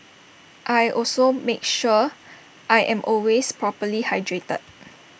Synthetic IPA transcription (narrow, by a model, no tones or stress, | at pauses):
ʔajʔɔlsomek̚ʃu | ʔajʔɛ̃mʔɔlwespɹɔpəlihajdɹetə̰d̚